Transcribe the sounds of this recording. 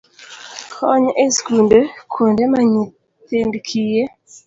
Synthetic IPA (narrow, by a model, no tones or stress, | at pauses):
hɔɲʔeskundekʰondemaɲu | t̪endkʰije